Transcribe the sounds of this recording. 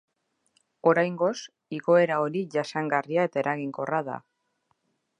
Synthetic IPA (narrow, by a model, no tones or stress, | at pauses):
o̞ɾajŋɡo̞s | iɣo̞e̞ɾao̞ɾiʝasaŋɡariae̞t̪aeɾʔaɣiŋko̞raða̰